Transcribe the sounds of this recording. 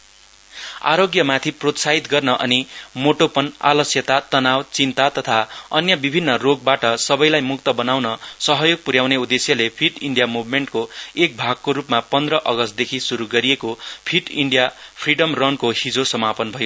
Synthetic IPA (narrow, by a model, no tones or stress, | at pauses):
a̰ɾoɡjʌmat̪ʰiprot̪saɦit̪ɡʌrnʌʔʌnimoʈopʌna̰lʌsjʌt̪at̪ʌnawt͡sint̪at̪ʌt̪ʰaʌnjʌbibʱinːʌroɡ̚baʈʌsʌbʌjlajmuk̚t̪ʌbʌnawnʌsʌɦʌjoɡ̚puɾjawneud̪esjʌlepʰiʈiɳɖijamubʱmeɳʈkoek̚bʱaɡ̚koɾupmapʌnd̪rʌʔʌɡʌst̪̚d̪ekʰisuɾuɡʌɾijekopʰiʈiɳɖijapʰriɖʌmrʌnkohid͡zosʌmapʌnbʱʌjo